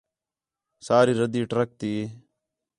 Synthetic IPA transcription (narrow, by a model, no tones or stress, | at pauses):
saːɾiːɾəd̪iːʈɾək̚t̪iː